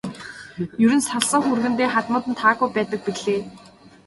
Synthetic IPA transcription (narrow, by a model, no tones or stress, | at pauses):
jɵɾɘ̆nsaɮsə̆ːxurɣɘ̆nt̪eːχat̪mʊːt̪ɘ̆nt̪ʰaːɣujpæːt̪ə̆k̚piɮeː